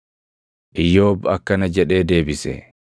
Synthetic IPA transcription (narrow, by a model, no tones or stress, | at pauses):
ʔɪjːo̞ːbɐkːɐnɐd͡ʒɛᶑe̞ːd̪e̞ːbɪsɛ̰